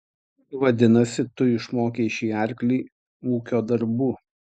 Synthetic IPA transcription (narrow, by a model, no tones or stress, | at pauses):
ʋɐd̪ʲɪnɐsʲɪt̪ʊɪʃmoːkʲeʃʲiːɑɾʲklʲiː | uːkʲoːd̪ɐɾbuː